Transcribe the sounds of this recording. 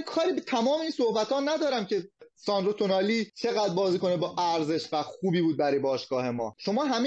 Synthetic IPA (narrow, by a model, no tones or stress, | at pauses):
kʰɒːɾiːbet̪ʰæmɒːmeiːnsohbæt̪ʰɒːnæd̪ɒːɾæmcʰe̞sɒːnd̪ɾot̪ʰonɒːliːt͡ʃʰe̞ɣæd̪̚bɒːziːko̞nebɒːʔæɾze̞ʃvæxuːbiːbuːd̪̚bæɾɒːjbɒːʃɡ̥ɒːhe̞mɒ̰ːʃo̞mɒːɦæme